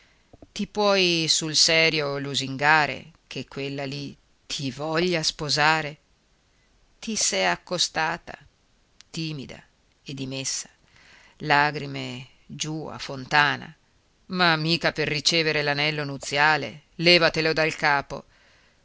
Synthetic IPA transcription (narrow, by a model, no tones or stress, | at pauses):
t̪ipwɔjsulsɛːɾjoluziŋɡaːɾḛkʰekːwelːali | t̪ʰivɔʎːaspozaːɾe | t̪isɛjakːost̪aːt̪a̰ | t̪iːmid̪a̰ | ed̪ːimesːḁ | laːɡɾime | d͡ʒua̰font̪aːna̰ | mamːiːkaperːit͡ʃɛːveɾelanɛlːonut̪sːjaːlḛ | lɛːvat̪elod̪alkaːpo̰